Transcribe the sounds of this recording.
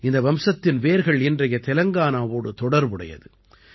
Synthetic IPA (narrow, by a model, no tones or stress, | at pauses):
ɪnd̪ɐʋɐmsɐt̪ːɪnʋeːɾɣɐɭɪndrɐjɐt̪ɛlɐŋɡaːnaːʋoːɽɯt̪ɔɽɐɾʋɯɽɐ̰jɐ̰ðɯ